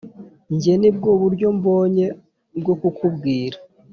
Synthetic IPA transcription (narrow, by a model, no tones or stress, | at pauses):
ɲɟenib̚ɡoβuɾɟo̞mbo̞ːɲe̞ | b̚ɡokukʰubɡiːɾa